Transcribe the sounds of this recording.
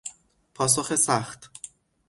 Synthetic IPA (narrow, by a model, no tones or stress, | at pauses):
pʰɒːs̬oxesæχt̪ʰ